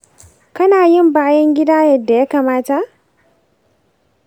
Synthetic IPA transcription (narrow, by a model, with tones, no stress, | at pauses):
kɐ˦naː˨jɪ˦˨mbaː˦jɐ˦ŋɡʲɪ˦daː˦jɐ˨dːa˨ja˦kaː˨maː˦ta˨ʔ